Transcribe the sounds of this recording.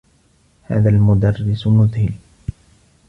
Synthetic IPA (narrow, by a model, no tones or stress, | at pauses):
ha̰ːðalmʊd̪ɑrːɪsmʊðhɪl